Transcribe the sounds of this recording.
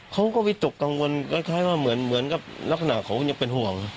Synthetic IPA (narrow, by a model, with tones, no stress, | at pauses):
kʰa˧˥wkɔː˧˩pi˧˩t̪o˨˩kːa˧ŋwo˧nkɔ˧˩jkʰaː˧˩˨jwaː˧˩mɯ˨˩˦ənmɯ˨˩˦ənka˧˩p̚la˧˩sʰa˧naː˧˩kʰa˨˦wɲa˧˥pe˨nhu˧˩əŋ